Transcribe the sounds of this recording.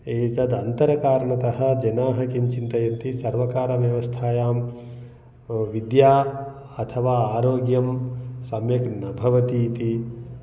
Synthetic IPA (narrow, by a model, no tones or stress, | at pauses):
eːt͡ʃɐd̪ɐnt̪ɐɾɐkaːɾɐɳɐt̪ɐɦɐ̆d͡ʒɐnaːɦɐkimt͡ʃint̪ɐjɐnt̪isɐɾʋɐkaːɾɐʋjɐʋɐst̪ʰaːjaːm | ʋid̪jaː | ɐt̪ʰɐʋaːaːɾoːɡjɐmsɐmjɐknɐbʱɐʋɐt̪iːt̪i